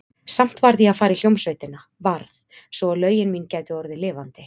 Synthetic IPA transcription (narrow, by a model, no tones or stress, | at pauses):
sam̥t̪vaɾðjɛafaːɾɪl̥jowmsvœɥt̪ɪna | vaɾθ | svɔalœːɥjɪnmincaːjt̪ʏɔɾðɪlɪːvant̪ɪ